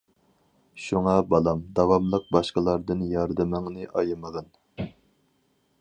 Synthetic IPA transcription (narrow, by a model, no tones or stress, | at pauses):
ʃuŋɑbɑlˠɑmd̪ɑwɑmlˠəq̚bɑʃqəlˠɑɾd̪ɨnjɑɾd̪ɨmɪŋnɨʔɑjɨməʁɑn